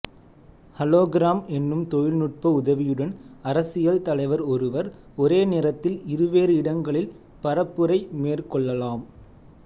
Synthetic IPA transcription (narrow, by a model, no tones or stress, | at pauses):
hɐloːɡɪɾaːmɛnːɯmt̪ɔjɪlnʊʈ̚pɐʊðɐʋɪjɯɽɐnɐɾɐsɪjɐlt̪ɐlɐɪʋɐɾɔɾɯʋɐɾ | ɔɾeːneːɾɐt̪ːɪlɪɾɯʋeːɾɯɪɽɐŋɡɐɭɪl | pɐɾɐpːɯɾɐɪmeːrkɔɭːɐlaːm